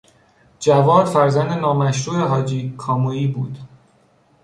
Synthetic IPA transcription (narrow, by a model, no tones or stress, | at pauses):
d͡ʒævɒːɾfæɾzænd̪enɒːmæʃɾuːeɦɒːd͡ʒiːkʰɒːmoiːbuːd̪̥